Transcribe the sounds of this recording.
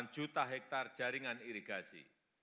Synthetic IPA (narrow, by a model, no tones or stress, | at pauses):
n̥d͡ʒ̥ut̪aɦɛk̚t̪ard̥ʒ̥a̤ɾiŋaniɾiɡ̥asḭ